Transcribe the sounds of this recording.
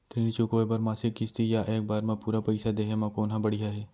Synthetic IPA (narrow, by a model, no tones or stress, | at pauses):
t̪ɾiːnt͡ʃukoːebɐɾmaːsɪkːɪst̪ijaʔeːk̚baːɾmãpuːɾapɐɪsad̪eːɦemãkoːnɦãbɐɽijaɦɛː